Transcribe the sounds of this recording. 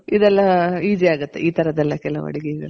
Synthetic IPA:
id̪ɛlːɐiːd͡ʒiaːɡut̪ːeʔiːt̪ʰɐɾɐd̪ɛlːɐkɛlɐʋɐ̰ɽiɡɛɡɐ̰ɭu

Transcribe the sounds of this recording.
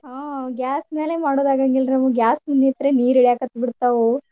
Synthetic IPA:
aːɡʲjaːsme̞ːlemaːɽoːd̪aːɡɐŋɡilɾnɐmuɡjaːsmunːit̪ɐɾeniːɾiɽijaːkɐt̪ːbiɽt̪ːaʋu

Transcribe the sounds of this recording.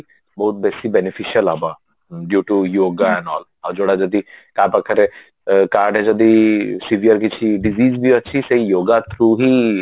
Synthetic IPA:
boːt̪̚bɛːsibɛnɪfʰiʃəlaːba | ɖjuːʈujoːɡaɛ̃ɳɖɔ̰ːl | ɔːɾd͡ʒoːɽad͡ʒɐd̪ikaːpɐkʰəɾe | kaːɾɖɦɛ̃d͡ʒɐd̪isiʋijəɾkit͡ʃʰiɖiziːzbʱiɐtːʃʰisɐɦijoːɡat̪ʰɾuːɦi

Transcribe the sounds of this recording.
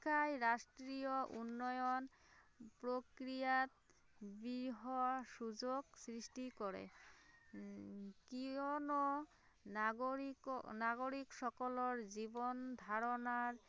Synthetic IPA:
kʰajɾasʈɾijɔʔunːɔjɔn | pɹokɾijat̪̚ | biɹɦɔsuzoɡsɹisʈikɔɹɛ̰ | kiɔnɔ | naɡoɾiksɔkɔlɔɹzibɔnd̪ʱaɾɔnaɹ

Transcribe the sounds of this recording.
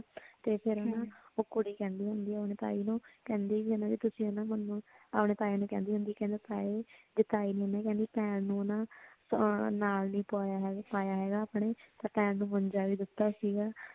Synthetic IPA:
t̪eːpʰɪɾnãːoːkʊɽiːkɛ̃ːnd̪iːɦʊ̃nd̪iːɛaəpnẽːt̪a̰ːiːnũːkɛ̃ːnd̪eːkienãːd͡ʒit̪ʊsĩːonãːmənːapɳeːt̪aːeːnũːkɛ̰̃ːnd̪iːɦʊ̃nd̪iːkɛ̃ːnd̪eːt̪aːeːd̪ɪt̪ːaːiːnĩonaːkɛ̃ːnd̪iːpɛ̃ːnnũːonãː | naːlnĩːpaːaɦɛɡpaːjaːɦɛːɡaːpɳeːt̪ãːpɛ̃ːnnũːməɲd͡ʒaːʋiːd̪ɪt̪ːaːsiːɡaː

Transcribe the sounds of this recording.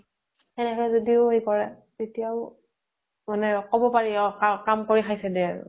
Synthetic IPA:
ɛnɛkɔɛzodiʊɦekɔɹɛ | tetijaʊ | manɛkɔbɔpaɹiɔkakamkoɹixʰajsɛdɛaɹʊ̰

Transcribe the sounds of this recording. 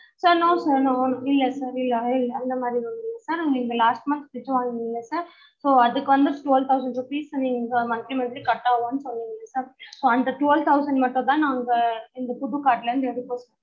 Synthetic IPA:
sɐɾnoːsɐɾnoːɔnɐkɪlːɐsɐɾɪlːɐɪlːɐnd̪ɐmaːd̪ɾiʋɐnd̪ɪŋɡɐsɐɾniːŋɡɐlaːsʈmɐnspɪt͡ʃːɯʋaːŋɡɪŋɡɪŋːɐsɐɾ | soːɐðɯkːɯʋɐnd̪ɯʈʊʋɛlt̪ʰɐʊsɐ̃ɳɖɾʊpiːsniːŋɡɐmɐt̪ɾimɐɾikɐʈːaːʋõːnːɯsɔlːɪŋɡɐlɐsɐɾsoːɐnd̪ɐʈʊʋɛlʋt̪ʰːɐʊsɐɳɖmɐʈːʊ̃t̪̬ãːnaːŋɡɐɪnd̪ɐpʊðukaːɾʈːɪlɐɾɯnd̪ɯɛɽɯpoːsɔ̃

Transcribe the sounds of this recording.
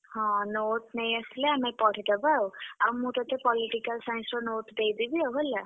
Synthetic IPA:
hɔ̃not̪nej̃əsileamepɔɽ̤id̪ɔbawawmũt̪ɔt̪ʰepɔliʈikalsãnsɾɔnot̪d̪ejd̪ibiaɦola

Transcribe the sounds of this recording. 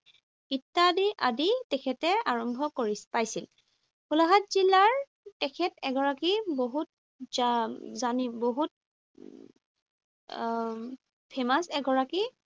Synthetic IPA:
itːadiʔaditɛkʰɛtɛaɹɔmbʱɔkoɹipajsil | kulaɦatzilːaɹ | tɛkʰɛtɛɡɔɹakiboɦut̚ | zazaniboɦut̚ | pʰemasɛɡɔɹaki

